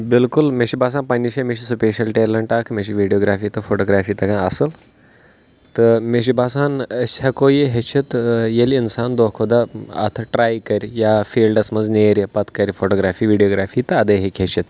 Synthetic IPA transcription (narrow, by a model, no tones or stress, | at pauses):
bilkulmeɕibas̬ãːnpɐnːiɕemeɕ̬isupeɕɐlʈelɐɳʈakʰmeɕiʋiɖijoːɡɾaːfiːt̪ɐfoʈoɡɾafiːt̪ɐɡãɐsəl | t̪ɐmeɕ̬ibʱasaːnɐɕakojiɦet͡ʃʰit̪jeliinsaːnd̪okʰod̪aɐ̰t̪ʰɐʈɾaːjkɐɾjafiːlɖɐsmɐd͡zneɾʲɐpɐt̪kɐɾfoʈoɡɾaːfiːʋiɖijoːɡɾaːfiːt̪ɐɐd̪əɦikʲɦet͡ʃit̪